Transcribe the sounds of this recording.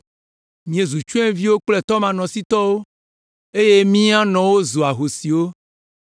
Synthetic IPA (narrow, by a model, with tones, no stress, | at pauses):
mĩ˨ẽ˨zu˨t͡ʃũ˦ɛ̃˦vi˦wo˦k͡ple˦˨t̪ɔ˦mã˨nɔ̃˨si˦t̪ɔ˦wo˦ | e˦je˦mĩ˦a˦nɔ̃˨wo˦zo˨a˨ɦo˨si˨wo˦